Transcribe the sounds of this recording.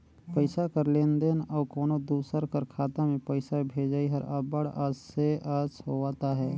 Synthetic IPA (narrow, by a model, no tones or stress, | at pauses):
pəɪsakəɾleːnd̪eːnɔːkoːnod̪uːsəɾkəɾkʰaːt̪ãmẽpəɪsabʱeːd͡ʒaːiɦəɾabəɽaːseaːsɦoaːt̪aɦɛː